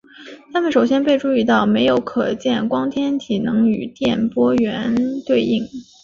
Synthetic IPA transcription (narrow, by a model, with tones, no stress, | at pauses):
t̪ʰa˥mə˨nʂo˨˩ʊɕjɛ˥npe˥˧ɪʈ͡ʂu˥˧i˥˧t̪ɑ˥˩ʊme˧˥ɪjo˧˥ʊkʰɤ˨˩t͡ɕjɛ˥˩nkwɑ˥ŋt̪ʰjɛ˥nt̪ʰi˨˩nɤ˧˥ŋy̰˨˩t̪jɛ˥˩npwɔ˥ɥɛ˧˥nt̪we˥˧ɪi˥˩ŋ